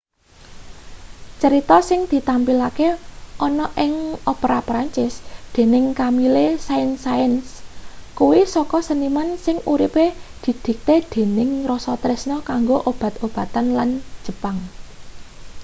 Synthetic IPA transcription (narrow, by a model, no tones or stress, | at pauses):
t͡ʃəɾit̪ɔsɪŋd̪̥i̤t̪ampilakeʔɔnɔʔɪŋopɾapɾaɲt͡ʃɪsd̪̥e̤nɪŋkamilesaɪnsaənskuwisɔkɔsənimansɪŋuɾiped̪̥i̤d̪̥i̤k̚t̪ed̪̥e̤nɪŋrɔsɔt̪ɾɪsnɔkaŋɡoʔob̥ä̤t̪ob̥ä̤t̪anlan̥ʒ̥ə̤paŋ